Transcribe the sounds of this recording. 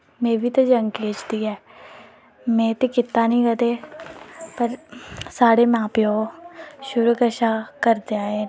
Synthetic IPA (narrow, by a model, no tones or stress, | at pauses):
mẽːbʱit̪od͡ʒəŋɡkeːt͡ʃd̪iɦɛː | mɛ̃ːt̪ekɪt̪ːanĩːɡət̪eː | pəɾsaːɽemãːpjo | ʃʊɾukəʃakəɾd̪eaːeː